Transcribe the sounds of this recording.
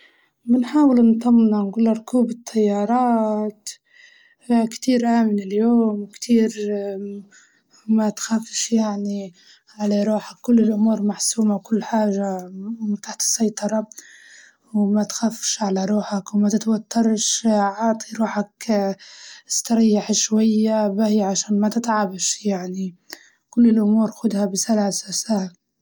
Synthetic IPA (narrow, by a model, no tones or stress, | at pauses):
mɪnħaːwɪlnt̪ˤɑmːnanɡuːlaɾˤkuːbɪt̪ʰːajːɑɾˤɑːt̪ | kt̪iːɾʔaːmɪnɪljoːmwkt̪ʰiːɾ | mæt̪xafʃjaʕni | ʕalaɾˤuːħakːʊlːɪlʔʊmuːɾmaħsuːmawkʊlːħaːʒat̪aħt̪ɪ̥sːɑjt̪ˤɑɾˤɑ | wmat̪xaːfʃʕalaɾˤuːħakwmat̪ɪt̪wat̪ːɑɾˤʃʕɑːt̪ˤiɾuːħak | st̪ɑɾɪjːaħʃwajːabahiʕaʃaːnmat̪ɪt̪ʕabʃjaʕni | kʊlːɪlʔʊmuːɾxʊd̪habɪsalasasaha